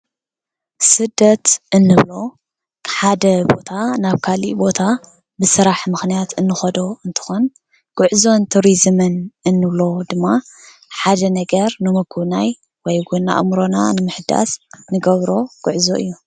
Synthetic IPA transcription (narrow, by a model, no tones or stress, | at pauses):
sɨd̪ːɐt̪ʔɨnːɨβlo̞ | kʰħad̪ɐbo̞t̪ʰanaβkʰalḭbo̞t̪ʰa | bɨsɨɾaħmɨxnijat̪ɨnːɨxɐd̪o̞ɨnt̪ʰɨ̥xon | ɡ̥ʊʕzo̞nt̪ʰuɾizmɨnɨnːɨβlo̞d̪ɨmːa | ħad̪ɐnɐɡɐɾnɨmɐkʰuβnaj | wɔjɡunːa̰ʔɨ̰mɾo̞na̰nɨmɨħɨd̪a̰snɨɡɐβɾo̞ɡ̥uʕzo̰ʔɨ̰jːu